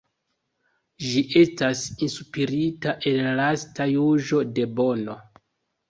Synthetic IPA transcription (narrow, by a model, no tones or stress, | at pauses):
ʒiʔe̞stasinsupiɾitaʔe̞nlastajuʒo̞de̞bo̞no̞